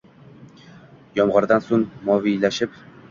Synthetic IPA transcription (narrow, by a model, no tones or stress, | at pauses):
jɒmʁɑɾd̪ɑnsuŋmɒvijlæʃɘp